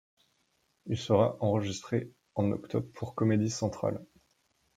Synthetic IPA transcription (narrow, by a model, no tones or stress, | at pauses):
ilsəʁaʔɑ̃ʁəʒist̪χe | ɑ̃nɔ̰kt̪ʰɔbʁpʰuʁkɔmed̪isɑ̃t̪χa̰l